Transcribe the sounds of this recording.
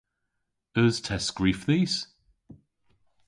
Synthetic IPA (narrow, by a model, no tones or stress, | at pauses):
əz̥tʰɛsɡ̥ɹiːˑfðiːs